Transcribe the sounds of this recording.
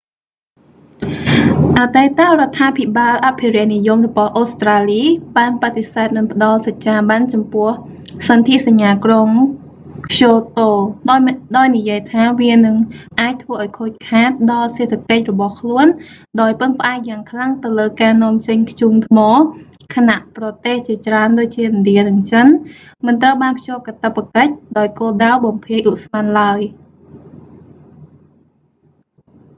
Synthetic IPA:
ʔat̪aɛt̪aʔrŏət̪ʰːaːpʰiɓaːlʔaʔpʰiɾɛ̆əʔnijumrɔɓɑhʔoːst̪raːliːɓaːnpat̪ːesaət̪̚nɨŋpə̆ɗɑlsac̚t͡ɕaːɓant͡ɕɑmpʊ̆əh | sɑnt̪ʰiʔsaɲːaːkroŋ | kʰɕoːt̪oː | ɗaɔjnijiəjt̪ʰaːʋiənɨŋʔaːc̚t̪ʰʋəːʔaɔjkʰoːc̚kʰaːt̪̚ɗɑlseːt̪ʰːakəc̚rɔɓɑhkʰluən | ɗaɔjpɨŋpə̆ʔaɛk̚jaːŋkʰlaŋt̪ɨwləːkaːnŏəmt͡ɕəɲkʰt͡ɕuːŋt̪ʰmɔː | kʰanaʔprɑt̪eːht͡ɕiət͡ɕraənɗoːc̚t͡ɕiəʔɑnɗiənɨŋt͡ɕən | mɨnt̪rəwɓaːnpʰjoːp̚kat̪apːakəc̚ɗaɔjkoːlɗawɓɑmpʰiəjʔuʔsmanlaəj

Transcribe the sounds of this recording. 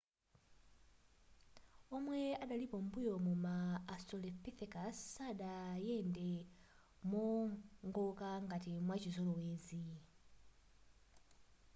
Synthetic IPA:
ɔmwɛaɗalipɔm̩bujɔmumaːstɔlɛpiθɛkasaɗajɛndɛ | mɔŋɡɔkaŋɡatimwat͡ʃizɔlɔweːzi

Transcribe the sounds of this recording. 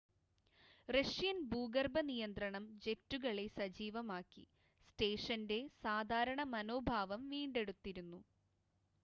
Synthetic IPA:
rɐʂjɐnbuːɡɐrbɐnijɐnd̪ɾɐɳɐmd͡ʑe̞tːuɣɐɭesɐd͡ʑiːʋɐmaːkːḭ | sʈeːʂɐnde̞saːd̪ʱaːɾɐɳɐmɐno̞ːbʱaːʋɐmʋiːɳɖe̞ɽut̪ːiɾunːu

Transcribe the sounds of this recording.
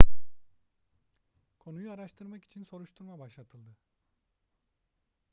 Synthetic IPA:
kʰo̞nujuaɾaʃt̪ʰɯɾmaki̥t͡ʃʰinso̞ɾuʃt̪ʰuɾmabaʃlˠat̪ʰɯlˠd̪ɯ

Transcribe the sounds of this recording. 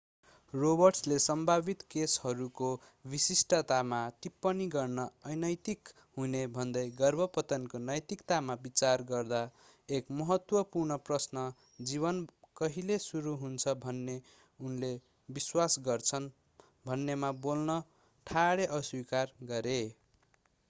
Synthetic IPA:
robʌrʈslesʌmbʱabit̪keshʌɾuko | bisisʈʌt̪amat̪ipːʌniɡʌrnʌʌjnʌjt̪ik | ɦunebʱʌnd̪ʌjɡʌrbʱʌpʌt̪ʌnkonʌjt̪ikt̪amabit͡sarɡʌrd̪a | ekmʌɦʌt̪wʌpurnʌprʌsnʌ | d͡ziβʌnkʌɦilesuɾuɦunt͡sʰʌbʱʌnːe | unle | biswasɡʌrt͡sʰʌn | bʱʌnːemabolnʌ | ʈʰaɽeʔʌswikarɡʌɾe

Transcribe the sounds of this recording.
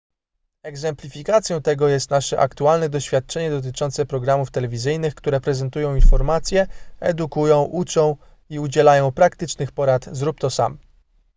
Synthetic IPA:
ɛɡzɛmplʲifʲikat̪sjɔ̃w̃t̪ɛɡɔjɛst̪naʂɛʔa̰kt̪ualnɛd̪ɔɕfʲjat̪̚t͡ʂɛɲɛd̪ɔt̪̬ɘt͡ʂɔnt̪sɛpɾɔɡɾamuft̪ɛlɛvʲizɘjnɘxkt̪uɾɛpɾɛzɛnt̪ujɔ̃w̃infɔɾmat̪sʲjɛɛ̰d̪ukujɔ̃w̃ʔut͡ʂɔ̃w̃ | iud͡ʑɛlajɔ̃w̃pɾakt̪ɘt͡ʂnɘxpɔɾat̪zɾup̚t̪ɔsa̰m

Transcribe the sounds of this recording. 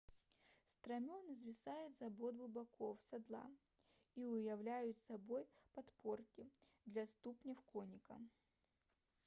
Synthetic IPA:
st̪ɾɐmʲonɨzvʲɪsajʊt̪zɐbod̪bˠʊbɐkʰofsɐd̪lˠa̰ | iʊjɐvlʲæjʊt̪sɐbojpɐt̪porkʲɪ | d̪lʲɐst̪upnʲɪfkonʲɪkɐ̰

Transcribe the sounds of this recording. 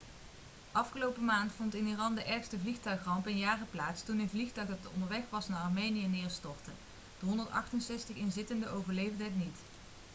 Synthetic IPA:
ʔɑfχəlowpəmaːntfɔntɪnirɑndəʔɛɹxstəvlixtœɥχrɑmpənjaːrəplaːtstunɪnvlixtœɥχətɔ̰ndəɹʋɛxʋɑsnaːɹɑɹmejnijənɪːɹstɔɹtə | d̥əɦɔndəɹtɑ̰χtənsɛstəχɪnzɪtəndəʔowvəɹlejvdəɦətnit

